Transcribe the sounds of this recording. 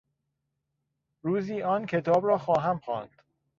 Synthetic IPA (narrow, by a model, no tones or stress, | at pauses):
ɾuːziːʔɒːncʰe̞t̪ʰɒːbɾɒːxɒːɦæmxɒ̰ːnd̪̥